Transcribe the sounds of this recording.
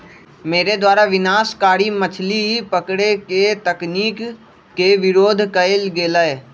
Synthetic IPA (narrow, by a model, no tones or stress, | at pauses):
meːɾed̪waːɾaʋɪnaːskaːɾimət͡ʃʰlipəkɽeket̪əkniːkː | eʋɪɾoːd̪ʱkəɪlɡeːləeː